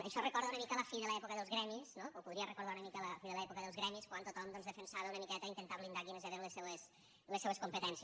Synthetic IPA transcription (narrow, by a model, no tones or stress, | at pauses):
ə̰ʃɔrəkɔɾðəunəmikələfiðəlɐɛpukəðəlˠzɣɾɛmisnoopuðɾiərəkuɾðaunəmikələfiðəlɐɛpukəðəlˠzɣɾɛmiskwant̪ot̪ɔmd̪ɔnzðəfənsaβəunəmikɛt̪əint̪ənt̪aβlind̪akinəzɛβenləsːɛwes | ləsːɛβəskumpət̪ɛnsi